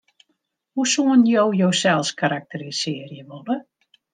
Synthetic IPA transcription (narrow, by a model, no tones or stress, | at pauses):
husuənjowjowsɛlˠskaɾak̚tərisɪərjəʋolə